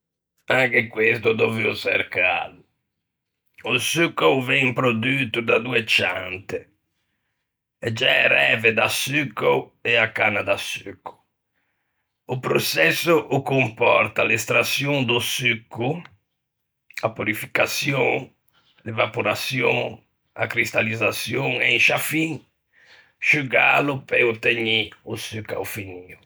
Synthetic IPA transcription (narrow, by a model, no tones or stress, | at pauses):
aŋkekwest̪ud̪oviusɛ̰ɾka̰ːlu | usykːowvɛmpɾod̪yːt̪ud̪ad̪uːɛt͡ʃant̪ɛ | ɛd͡ʒɛɾɛːvɛd̪asykːowɛakːanad̪asykʰːu̥ | upɾosɛsːuʔukompɔɾt̪alest̪ɾasjɔŋd̪ʊsykːu | apuɾifi̥kasjɔ̃ŋ | levapoɾasjɔ̃ŋ | a̰kɾist̪alizasjɔŋɛŋʃafiŋ | ʃuɡalʊpeut̪eɲiusyka̰wfiniːu